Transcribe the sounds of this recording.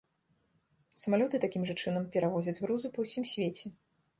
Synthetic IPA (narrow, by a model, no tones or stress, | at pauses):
sɐmalʲɔt̪ɨt̪akʲimʐɐt͡ʂɨnɐmpʲɛɾavɔzʲɐd͡zʲɣɾuzupɐwsʲimsʲvʲet͡sʲɛ